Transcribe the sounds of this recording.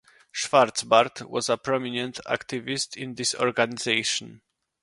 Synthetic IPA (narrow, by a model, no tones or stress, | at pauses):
ʃfaɾtsbaɾt̪wɔ̰zəpɹɔminɛ̃nt̪ʰa̰kt̪ivist̪ʰĩnd̪isɔ̰ɹɡanizejʃɔ̃n